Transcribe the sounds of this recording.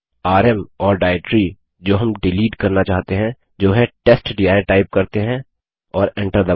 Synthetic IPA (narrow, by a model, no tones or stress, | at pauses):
aːɾɛmɔːɾɖaːɪʈɾi | d͡ʒoːɦɐmɖɪliːɖkɐɾnat͡ʃaːɦt̪eɦɛ̃ | d͡ʒoːɦɛ̃ʈesʈɖiaːɪʈaːɪp̚kɐɾt̪eɦɛ̃ | ɔːɾẽɳʈəɾd̪ɐ